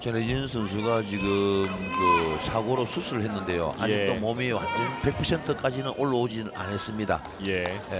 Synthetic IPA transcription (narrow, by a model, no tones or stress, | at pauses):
t͡ɕʌnejɯnsʰɯnsʰuɭɡat͡ɕiɡɯmkɯsʰaɡoɾosʰusʰuɾɯɭhe̞nːɯnde̞jo̰ʔa̰jd͡ʑik̚t͈omʌmiwa̰ndɯnpe̞k̚pʰʌsʰe̞ntʰɯk͈ad͡ʑinɯnʔoɭːood͡ʑinɯɭa̰nɦes͈ɯmɲida̰ | jeje